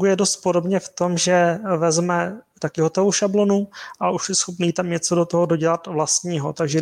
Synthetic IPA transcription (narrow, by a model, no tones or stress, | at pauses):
ɡujɛdo̞st̪̚podo̞bɲɛft̪o̞mʒɛvɛzmɛt̪akɪɦot̪ɛvowʃablo̞nuʔaʔuʃjɛsxopniːt̪amɲɛt͡sodo̞t̪oɦodo̞ɟɛlat̪vlast̪ɲiːɦo̞t̪aɡʒɛ